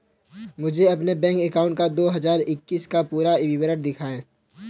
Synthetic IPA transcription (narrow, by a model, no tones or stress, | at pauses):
mʊd͡ʒʱeɐpnebɛ̃ːŋkɛkaːʊ̃ɳʈkad̪oːɦɐzaːɾɪkːiːskapuːɾaɪʋiʋəɾəʈ̚d̪ɪkʰaːẽː